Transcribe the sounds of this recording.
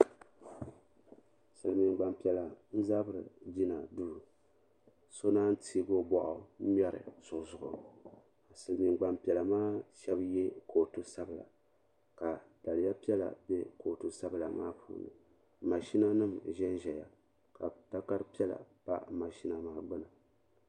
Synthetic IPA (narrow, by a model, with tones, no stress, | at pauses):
sɨ˨lmi˨ŋɡ͡ba˨mpi˨ɛ˨la˨n̩˦za˦bɨ˦˨ɾɨ̰˨d͡ʒi˦na˨duː˦ɾ | so˦naː˦n̩˦tʰiː˦ɡo˦bɔ˨ʔʊ˨˦ɲ˦ɛ˦ɾɨ̰˨z̥ʊ˨ʔzʊ˨ʊ̰˨ | a˨sɨ˨lmi˨ŋɡ͡ba˨mpi˨ɛ˨la˨maː˦ʃɛ˦bjɛ˦ko˨tu˦sa˦bɨ˨la̰˨ | ka˨d̥a˨lɨ˨˦ja˦pi˦ɛ˦la̰˨bɛ˦ko˨tu˨sa˦bɨ˨la˨ma̰ː˦pʰṵː˨˦nɨ̰˨ | ma˨ʃi˦na˦nɨ˦mʒɛ˦n˦ʒɛ˨ja̰˨ | ka˨ta˦ka˦ɾɨ˦pi˦ɛ˦la̰˨pa˦ma˨ʃi˦na˨maː˦ɡ͡bɨ˦na˨